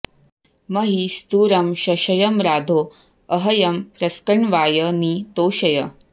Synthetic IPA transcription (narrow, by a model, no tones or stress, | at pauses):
mɐɦist̪uːɾɐmɕɐɕɐjɐmɾaːd̪ʱoː | əɦɐjɐmpɾɐskəɳʋaːjəniːt̪oːɕɐjə